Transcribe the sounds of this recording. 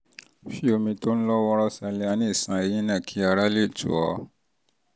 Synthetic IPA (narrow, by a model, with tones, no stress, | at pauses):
fi˦o˧mĩ˧to˦ñ̩˦lɔ˦wɔ˧ɾɔ˦sa˧le˧a˧˦nĩ˦˨sã˨e˧jĩ˦nɛ̃˦˨kʰi˧˦a˧ɾa˦le˦˨tṵ˨ɔ̰˧˦